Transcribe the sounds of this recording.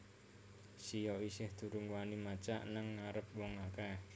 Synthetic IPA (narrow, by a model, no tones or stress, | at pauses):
sijɔisɪhd̪̥ṳɾuŋɡuwanimat͡ʃa̰ʔnaŋːaɾəp̚wɔŋaka